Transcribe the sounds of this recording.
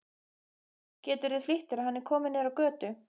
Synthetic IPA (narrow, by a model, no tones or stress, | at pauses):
cɛːt̪ʏɾvɪðflɪht̪ɪɾaðhanːɛɾ̥kʰɔːmɪnɛɾawkœːt̪ʏ